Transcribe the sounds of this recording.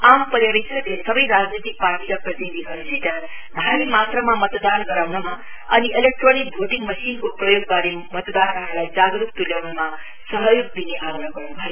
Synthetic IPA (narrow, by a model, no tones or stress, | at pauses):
ampʌɾjɽisʌlesʌbʌjɾad͡znit̪ik̚parʈiɾaprʌt̪id̪iɦʌɾusʰeʈ̪a | d̪ʱaimat̪ramamʌt̪d̪anɡʌɾawnama | ʌniʔelek̚ʈronik̚bʱoʈiŋmʌsinkoprʌjoɡ̚baɾemʌt̪d̪anʌɾulajd͡zaɡɾukt̪uljawnuma | sʌɦəjoɡ̚d̪ineʔaɡnaɡʌrnubʱajo